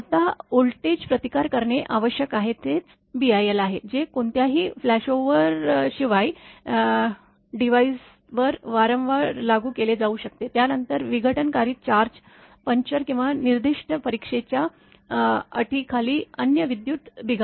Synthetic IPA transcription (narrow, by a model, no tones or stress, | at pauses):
at̪aolʈed͡ʑpɾət̪ikaɾkəɾɳeʔaʋəɕjəkaɦet̪et͡s | biajelaɦed͡ʑekoɳt̪jaɦiːflæɕoʋəɾɕiʋaji | ɖiʋais | ʋəɾʋaɾəmʋaɾlaɡuːkeled͡zauɕək̚t̪et̪janənt̪əɾʋiɡʱəʈənkaɾiːt̪̚t͡ɕaɾd͡ʑ | pəɲt͡ɕəɾkĩw̃ʋaniɾd̪iʂʈəpəɾikʂet͡ɕja | əʈʰiːkʰaliːənjəʋid̪juːt̪biɡʱa